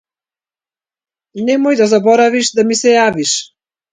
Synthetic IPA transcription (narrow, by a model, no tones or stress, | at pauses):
nɛmɔjd̪azabɔɾaviʃd̪amisɛjaviʃ